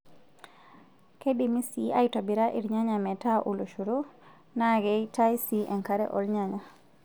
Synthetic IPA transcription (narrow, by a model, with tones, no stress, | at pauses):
ke˦bi˨mi˦sia˦itɔ˨biɾa˦ʔi˨ɾɲa˦ɲamɛ˨ta˦ʔo˨lo˨ʃu˨ɾo˦ | na˦ɡɛta˦jsiʔɛ˨ŋka˨ɾɛ̰˦ʔɔ̰˨lɲa˦ɲa˦